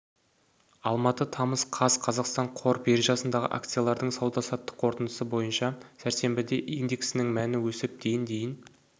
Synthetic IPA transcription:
ɑlˠmɑt̪ət̪ʰɑməsqʰɑz̥qʰɑzɑqst̪ɑɴqʰo̞ɾpjeɾʒɑsənd̪ɑʁə̰ʔa̰k̚t̪sɨjalˠɑɾd̪əɴsɑwd̪ɑsɑt̪ːə̥qʰːo̞ɾt̪ənd̪əsəbo̞jənʃɑsæɾse̞mbɪd̪e̞ʔijnd̪e̞ksɪnɪŋmænɪwɵsɪp̚d̪̥e̞jɪnd̪e̞jɪn

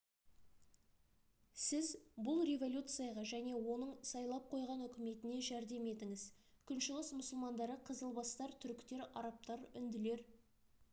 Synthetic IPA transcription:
sɪzbʊlˠɾʲe̞vo̞lʲut̪sɨjɑʁɑʒæne̞wo̞nəɴsɑjlˠɑp̚qʰo̞jʁɑnʏkʲɪme̞t̪ɪne̞ʒæɾd̪e̞me̞t̪ɪŋɪz | kʲʰʏnʃɪlˠəsmʊsəlˠmɑnd̪ɑɾəqʰəzəlˠbɑst̪ɑɾt̪ʰʏɾkʲt̪e̞ɾɑ̰ɾɑp̚t̪ɑɾʏnd̪ɪle̞ɾ

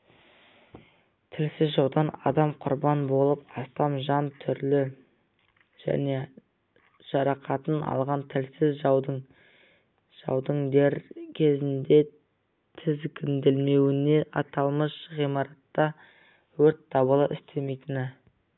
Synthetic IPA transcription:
t̪ʰɪlsɪzʒɑwd̪ɑnɑ̰d̪ɑmqʰʊɾbɑnbo̞lˠəpɑst̪ɑmʒɑnt̪ʰʏɾlɪ | ʒ̥æ̰ne̞ | ʒ̥ɑɾɑqʰɑt̪ənɑ̰lˠʁɑnt̪ʰɪlsɪzʒɑwd̪ɴ | ʒ̥ɑ̰wd̪əɴd̪eɾkʲʰe̞zɪnd̪e̞ | t̪ʰɪzkʲʰɪnd̪ɪlme̞wɪne̞ʔɑt̪ɑlˠməʃʁijmɑɾɑt̪ːɑ | wɵɾt̪̚d̪̥ɑbəlˠəʔɪst̪ʰe̞me̞jt̪ɪnɪ

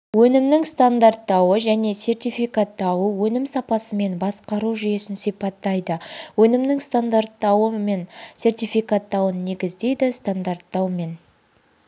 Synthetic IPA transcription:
wɵnɪmnɪŋst̪and̪art̪ːɑwəʒæne̞se̞rt̪ijfijkat̪ːɑwəwɵnɪmsɑpɑsəme̞nbɑsqɑɾuʒʏje̞sɪnsijpɑt̪ːɑjd̪əwɵnɪmnɪŋst̪and̪art̪ːɑwəe̞nse̞rt̪ijfikat̪ːɑwənːe̞ɡʲɪzd̪e̞jd̪ɪst̪and̪art̪ːɑwme̞n

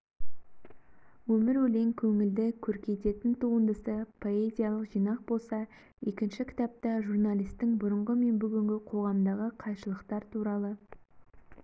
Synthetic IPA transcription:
wɵmɪɾwɵle̞ŋkʲʰɵŋɪld̪ɪkʲʰɵɾkʲe̞t̪e̞t̪ɪnt̪ʰuənd̪əsəpʰo̞e̞zʲijalˠəqʒijnɑq̚bo̞lˠsɑ | e̞kʲɪnʃɪkʲʰɪ̥t̪ɑp̚t̪ɑʒuɾnalijst̪ɪŋbʊɾəɴʁəme̞nbʏɡʲɪŋɡʲɪqʰo̞ʁɑmd̪ɑʁəqʰɑjʃəlˠəqt̪ɑɾt̪ʰuɾɑlˠə

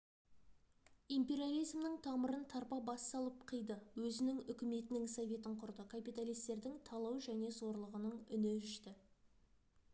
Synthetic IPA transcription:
impe̞ɾijalʲˠijzmnəɴt̪ʰɑməɾənt̪ʰɑɾpɑbɑst̪ɑlˠəp̚qʰəjd̪əwɵzɪnɪŋʏkʲɪme̞t̪ɪnɪŋsovʲe̞t̪̬ɪɴqʰʊɾd̪əkʰapijt̪alˠijst̪e̞ɾd̪ɪŋt̪ʰɑlˠɑwʒæne̞zo̞ɾlˠəʁənəɴʏnɪʒʏʃt̪ɪ

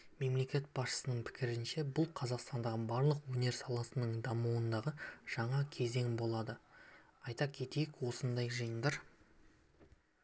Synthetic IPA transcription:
me̞mle̞kʲe̞t̪̚bɑsʃə̥sənəɴpʰɪ̥kʲɪɾɪnʃe̞bʊlˠqʰɑzɑqst̪ɑnd̪ɑʁəbɑɾlˠəqwɵne̞ɾsɑlˠɑsənəɴd̪ɑmuwənd̪ɑʁəʒ̥ɑɴɑkʲʰe̞ze̞ŋbo̞lˠɑd̪ə | ɑjt̪ɑkʲʰe̞t̪ejɪkwo̞sənd̪ɑjʒəjənd̪əɾ

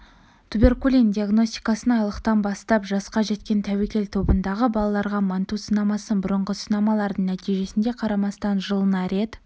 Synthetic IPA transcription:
t̪ʰube̞rkulʲind̪iaɡno̞st̪i̥j̥kɑsənɑjlˠəqt̪ɑnbɑst̪ɑpʒɑsqɑʒe̞t̪kʲe̞nt̪ʰæwekʲe̞lt̪ʰo̞bənd̪ɑʁəbɑlˠɑlˠɑɾʁɑmɑnt̪usənɑmɑsənbʊɾəɴʁəsənɑmɑlˠɑɾd̪əɴnæt̪ijʒe̞sɪnd̪e̞qʰɑɾɑmɑst̪ɑnʒəlˠənɑɾe̞t̪

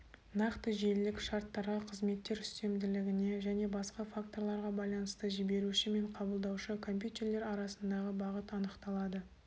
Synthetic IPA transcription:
nɑqt̪əʒellɪkʃɑɾt̪ːɑɾʁɑqʰəzme̞t̪ːe̞ɾʏst̪e̞md̪ɪlɪɡʲɪne̞ʒæne̞bɑsqɑfak̚t̪o̞ɾlˠɑɾʁɑbɑjlˠɑnəst̪əʒɪbe̞ɾuʃɪme̞ɴqʰɑbəlˠd̪ɑwʃəkʰo̞mpjut̪ʲe̞rle̞ɾɑɾɑsənd̪ɑʁəbɑʁət̪ɑnəqt̪ɑlˠɑd̪ə

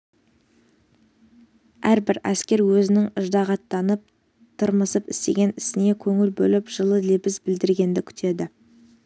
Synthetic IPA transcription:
æɾbɪɾæskʲe̞ɾwɵzɪnɪŋəʒd̪ɑʁɑt̪ːɑnəp̚ | t̪ʰʊɾməsəpɪst̪e̞ɡʲe̞nɪsɪne̞kʲʰɵŋɪlbɵlɪpʒ̥əlˠəlebɪzbɪld̪ɪɾɡʲe̞nd̪ɪkʲʰʏ̥t̪ʰe̞d̪ɪ

